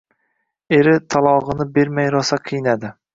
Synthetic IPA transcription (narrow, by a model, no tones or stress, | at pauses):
e̞ɾɪt̪ʰalˠɒʁɨnɪbe̞ɾmajɾɒsaqʰɨjnad̪ɪ